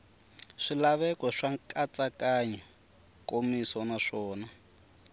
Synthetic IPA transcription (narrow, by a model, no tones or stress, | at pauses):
ʂilaβɛkɔʂaŋkʼat͡sʼakaɲɛ | komisɔnaʂɔːna